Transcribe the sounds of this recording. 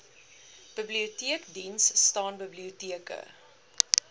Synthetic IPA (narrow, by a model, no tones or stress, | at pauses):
b̥əbliutiəkdinsːtɑːnbəbliutiəkə̰